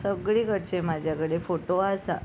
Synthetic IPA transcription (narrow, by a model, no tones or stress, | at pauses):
səɡɭikəɽt͡ɕemad͡ʑʱjakəɽefoʈoasa̰